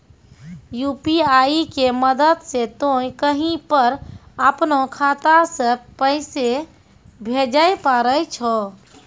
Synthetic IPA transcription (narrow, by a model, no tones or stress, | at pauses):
jupiaikeməd̪əd̪set̪ojkəɦĩpəɾəpnokʰat̪asə̃pəɪse | bʱed͡ʒəjpaɾət͡ʃʰɔ